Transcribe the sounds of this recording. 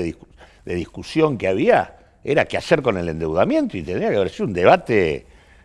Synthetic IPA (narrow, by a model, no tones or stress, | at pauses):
i | ðe̞ðihkusjo̞ŋkeaβia̰ | eɾakeaseɾko̞ne̞le̞nd̪ewð̞amjẽ̞nt̪oit̪enɾiakeaβeɾsiund̪e̞β̞at̪e